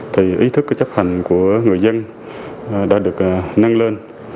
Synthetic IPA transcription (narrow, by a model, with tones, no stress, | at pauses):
t̪ʰi˨˩ʔi˧˦t̪ʰɨ˦˥k̚t͡ɕə˦˥p̚ha˨˩ŋ̟ku˧˩əŋɨ˨˩əjzə˧n | ɗa̰ː˧˥ɗɨ˨˩ək̚na˧ŋleː˧n